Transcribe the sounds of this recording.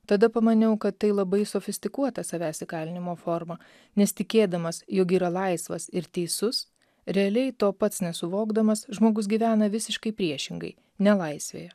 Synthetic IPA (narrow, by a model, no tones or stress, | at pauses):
t̪ɐd̪ɐpɐmɐnʲɛʊkɐt̪ːɐɪlˠɐbɐɪsoːfʲɪsʲt̪ʲɪkuɔt̪ɐsɐʋʲæːsʲɪkɑːlʲɪnʲɪmoːfoɾmɐ | nʲɛst̪ʲɪkʲeːd̪ɐmɐsjoːk̬iːɾɐlˠɐɪsʋɐ̰sɪɾt̪ʲɛɪsʊs | ɾʲɛɐlʲɛɪt̪oːpɐt̪snʲɛsʊʋoːɡd̪ɐmɐsʒmoːɡʊsɡʲiːʋʲæːnɐʋʲɪsʲɪʃkɐɪpʲɾʲiɛʃʲɪŋɡɐ̰ɪ | nʲɛlˠɐɪsʲʋʲḛːjɛ